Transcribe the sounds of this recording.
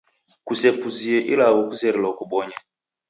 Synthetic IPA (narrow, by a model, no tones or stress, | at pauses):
kusɛpuziɛʔḭlawɔkuzɛɾɛlɔkuɓɔɲɛ